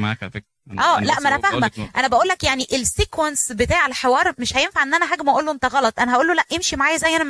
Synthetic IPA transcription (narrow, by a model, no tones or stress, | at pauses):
ʔæːlæʔmælæfæhmæʔænæbæʔuːlːækjaʕniʔelsiːkwænsbet̪aːʕelħewɑːɾˤmeʃhæjenfaʕʔenːʔænæɦaːɡmʔæʔuːlːoʔent̪æɣɑlɑt̪ˤʔænæhæʔuːlːolæʔʔemʃimaʕaːjæzæjːʔænæ